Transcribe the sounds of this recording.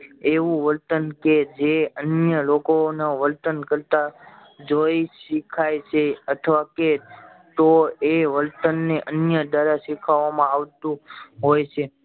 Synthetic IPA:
eʋũʋəlt̪ənked͡ʒeənjəlokonaʋəlt̪ənkəɾt̪a | d͡ʒoiʃikʰajt͡ʃʰeət̪ʰʋake | t̪oeʋəlt̪ənːeʔənjəd̪aɾaʃikʰaʋamãaʋt̪ũɦojt͡ʃʰe

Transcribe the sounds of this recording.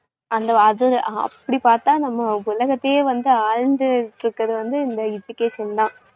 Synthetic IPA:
ʔɐnd̪ɐɐðɯɐ̰pːɐɽipaːɾt̪ãːnɐmːɐʊlɐɣɐt̪ːeːʋɐnd̪ɯaːɻnd̪ɯʈɾɯkːɾɐðɯʋɐnd̪ɯɪnd̪ɐɪd͡ʒʊkeːʂɐnt̪ãː

